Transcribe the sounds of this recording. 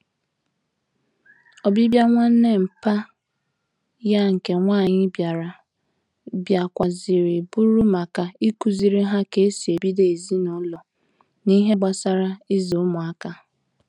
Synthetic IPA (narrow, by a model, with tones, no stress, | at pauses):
ɔ˨bi˦bja˦ŋʷa˦n̩˦ne˦m̩˨pa˦ | ja˦ŋ̩˨ke˨ŋʷaː˦˨ɲɪ˦bja˨ɾa˨ | bja˨kʷa˨zɪ˨ɾɪ˨bu˦ɾu˦ma˨ka˨i˦ku˨zi˨ɾi˦ɦa˦ke˨e˦si˨e˨bi˦de˨e˨zi˦nʊ˦lɔ˨ | ni˦ɦe˦ɡ͡ba˦sa˦ɾa˦i˦zo˨˦mʊ˨a˦ka˦